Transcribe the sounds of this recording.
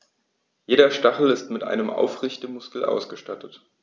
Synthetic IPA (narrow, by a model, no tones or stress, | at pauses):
jeːɾɐʃtaχl̩ɪstmɪtʔa̰ɪnəmʔa̰ʊfʁɪçtəmʊskl̩ʔa̰ʊsɡ̥əʃtatət